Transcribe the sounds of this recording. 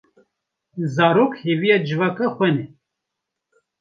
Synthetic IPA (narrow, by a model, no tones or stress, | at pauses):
zaːɾoːkheːvijad͡ʒɨvaːkaxʷɛnɛ